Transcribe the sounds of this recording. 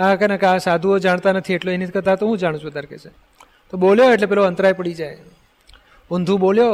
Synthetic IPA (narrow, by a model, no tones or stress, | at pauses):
akenakeasad̪ʱuod͡ʒaɳt̪anət̪ʰieʈloenit̪ʰkəɾt̪aɦet̪oɦũd͡ʒaɽ̃ũt͡ʃbət̪aɾkḛt͡ʃʰe | t̪oboljoeʈ̬lepɛloənt̪ɾajpəɽid͡ʒaj | und̪ʱũboljo